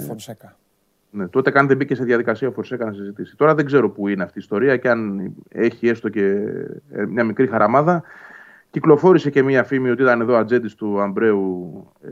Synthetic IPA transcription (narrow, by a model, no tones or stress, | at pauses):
sekɐ | ne̞t̪o̞t̪e̞kɐnt̪ebice̞seðʝɐðikɐsiɐofo̞ɾse̞kɐnɐsizit̪isi̥t̪o̞ɾɐðe̞ɡze̞ɾo̞puineɐft̪iːst̪o̞ɾiɐceɐne̞çie̞st̪o̞cḛ | mɲɐmikɾixɐɾɐmɐðɐ | ciklo̞fo̞ɾise̞ce̞miɐfimiot̪iit̪ɐne̞ðo̞ɐd͡ze̞nd̪ist̪uɐmbɾe̞u